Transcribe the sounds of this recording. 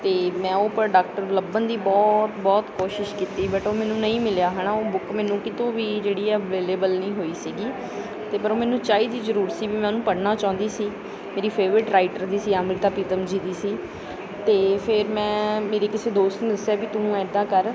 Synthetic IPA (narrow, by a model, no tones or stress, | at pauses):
t̪eːmɛ̃ːoːpɖaːk̚ʈəɾbləbənd̪iːbɔːt̪bɔːt̪koːʃɪʃkiːt̪iːbəʈoːmɛ̃ːnũːnəĩːmɪljaːɦənaːoːbʊkmɛːnũːkɪt̪õːʋiːd͡ʒeːɽiːɛːʋeːleːbəlnəĩːɦoːiːsiːɡiː | t̪eːpəɾoːmɛ̃ːnũːt͡ʃaːiːd̪iːzəɾuːɾt̪siːʋiːmɛ̃nũːpəɽnaːt͡ʃãːnd̪iːsiː | meːɾiːpʰeːʋɾɪʈɾaːɪʈəɾd̪iːsiːaːmɾit̪aːpiːt̪əmd͡ʒiːd̪iːsiː | t̪eːpʰɪɾmɛ̃ːmeːɾeːkɪseːd̪oːst̪nːd̪əsɛːbiːt̪ʊnũːɛːd̪ãːkəɾ